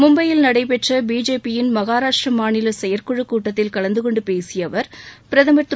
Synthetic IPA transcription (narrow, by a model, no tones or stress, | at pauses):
mʊmbɐjɪlnɐɽɐɪp̬ɛʈrɐbiːd͡ʒeːpːɪjɪnmɐɣaːɾaːʂʈrɐmaːnɪlɐsɛjɐɾkɔɻɯkːuːʈːɐt̪ːɪlkɐɭɐnd̪ɯkɔɳɖɯpeːsɪjɐʋɐɾpɪɾɐðɐmɐt̪ː